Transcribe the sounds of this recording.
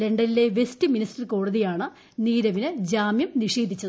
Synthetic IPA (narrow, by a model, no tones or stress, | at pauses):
leɳɖɐlile̞ʋestɨministɐrko̞ːɽɐðijaːɳɨ | niːɾɐʋinɨd͡ʑaːmjɐmniʂeːd̪ʱit͡ɕːɐð